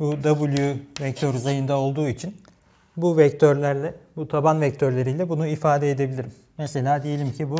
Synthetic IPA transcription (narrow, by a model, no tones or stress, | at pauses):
bud̪abulʲˠjuvɛc̚t̪ʰøɾzajɯnd̪ao̞lˠd̪uːit͡ʃʰin | buvɛc̚t̪ʰøɾlʲæɾlʲɛbut̪ʰabanvɛc̚t̪ʰøɾlʲe̞ɾijlʲɛbunuifaːd̪ɛed̪e̞bilʲiɾimːese̞lʲaːd̪eje̞lʲimcʰibu